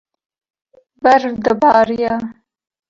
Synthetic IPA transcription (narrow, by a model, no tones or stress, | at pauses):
baɾfd̪əbɑːɾja